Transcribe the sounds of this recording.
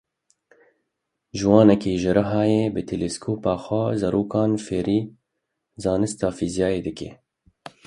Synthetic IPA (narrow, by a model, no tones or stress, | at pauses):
ʒuwɑːnɛkeːʒɪɾɨɦɑːjeːbɨt̪ʰeleskʰoːpɑːxʷɑːzɛɾoːkɑːnfeːɾiː | zɑːnɨst̪ɑːfiːzijɑːjeːd̪ɨkḛː